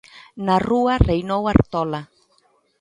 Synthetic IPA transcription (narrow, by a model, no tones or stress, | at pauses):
naruarejnowaɾt̪ɔla